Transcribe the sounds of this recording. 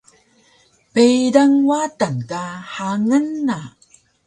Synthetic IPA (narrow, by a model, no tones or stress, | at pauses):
pejdaŋwatankaħaŋənːa